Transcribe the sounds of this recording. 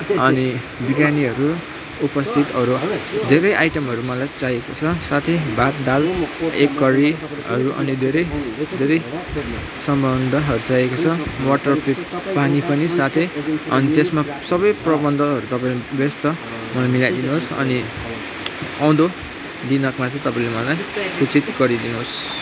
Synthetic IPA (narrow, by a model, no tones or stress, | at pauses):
ʌni | biɡaniɦʌɾu | upʌst̪ʰit̪ʌɾud̪ʱeɾʌjʔajʈʌmɦʌɾumʌlajt͡sajekot͡sʰʌsat̪ʰebʱat̪̚d̪alekːʌɾi | ʌ̰ɾuʔʌ̰nid̪ʱeɾʌjd̪ʱeɾʌj | sʌmbʌnd̪ʱʌɦʌɾut͡sajekot͡sʰʌmwaʈʌrpippaŋipʌnisat̪ʰeʌnit̪esma | sʌbʌjprʌbʌnd̪ʱʌɦʌɾut̪ʌpãĩbest̪ʌ | mʌlajmilajd̪inuɦosʌ̰ni | aw̃d̪o | d̪inʌkmat͡sʌ̃t̪ʌpaĩlemʌlajsut͡sit̪ɡʌɾid̪inuɦos